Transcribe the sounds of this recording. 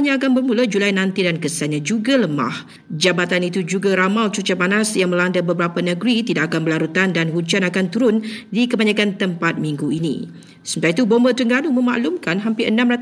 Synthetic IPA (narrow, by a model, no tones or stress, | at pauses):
ɲãːkanbərmũlad͡ʒulajnãnt̪idankəsanɲãd͡ʒuɡaləma̰h | d͡ʒabat̪anit̪ud͡ʒuɡaɾamalt͡ʃut͡ʃabanasjaŋmə̃landabəbəɾapanə̃ɡɾit̪idaʔakanbəlaɾut̪andanɦuɲt͡ʃanakant̪uɾʊndikəbaɲakant̪əmpat̪̚mĩŋɡuinḭ | səmət̪ait̪ubɔmbət̪əŋɡanumə̃ma̰ʔlumkanɦampɪʔənãmrat̪